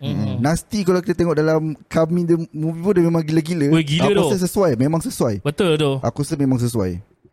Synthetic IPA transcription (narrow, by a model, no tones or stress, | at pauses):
nast̪ikalawkit̪at̪eŋɔʔdalamkamĩdəmuvipundəmẽmãŋɡiləɡiləɡiləkoəs̬əsuajmẽmãŋsəsuajbət̪old̪oʔa̰kosəmẽmãŋs̬əs̬ua̰j